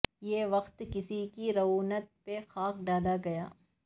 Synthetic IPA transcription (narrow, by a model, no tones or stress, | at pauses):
jeːʋɐqt̪kɪsikiɾɐʋuːnət̪̚pexaːkɖaːlaɡɐjaː